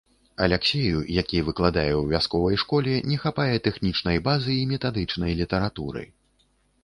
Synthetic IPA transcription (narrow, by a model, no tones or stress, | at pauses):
ɐlʲɛksʲejṵjakʲivɨklˠad̪ajɛwvʲaskɔvɐjʂkɔlʲɛnʲɛxapajɛt̪ɛxnʲit͡ʂn̪ɐjbazɨːmʲɛt̪ad̪ɨt͡ʂnɐjlʲit̪ɐɾat̪uɾɨ̰